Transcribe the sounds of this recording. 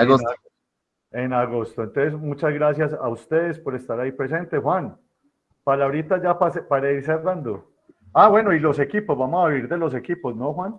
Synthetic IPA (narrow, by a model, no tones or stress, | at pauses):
aos | enaɣo̞st̪oent̪onsesmut͡ʃazɡɾas̬jasa̰ust̪e̞ðespo̞ɾe̞st̪aɾaipɾe̞se̞nt̪exwan | palaβɾit̪ad͡ʒapasepaɾaiɾs̬erand̪o | awe̞no̞ilo̞se̞kipo̞zbamosaiɾd̪e̞lo̞s̬e̞kipo̞snoxwan